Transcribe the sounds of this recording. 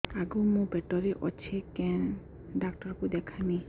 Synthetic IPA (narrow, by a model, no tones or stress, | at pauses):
aɡumũbɛʈɔɾeʔɔ̰t͡ʃʰekɛ̃ | ɖakʈɔɾkud̪ɛkʰani